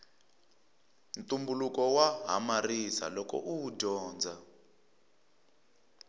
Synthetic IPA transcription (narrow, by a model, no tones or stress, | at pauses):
ntumbulukɔwaɦa̰marisa̰lɔkɔ̰ʔuɟɔːnd͡zʱa